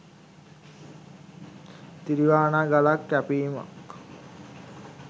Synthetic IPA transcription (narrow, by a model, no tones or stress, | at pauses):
t̪iɾiʋaːnaɡalakːæpiːma̰k